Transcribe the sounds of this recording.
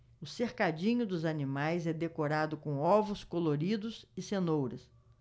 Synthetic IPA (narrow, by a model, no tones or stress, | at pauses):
ʊseɾkad͡ʒĩɲʊd̪ʊzanimajzɛd̪ekoɾad̪ʊkõɔvʊskoloɾid̪ʊzɪsenowɾɐs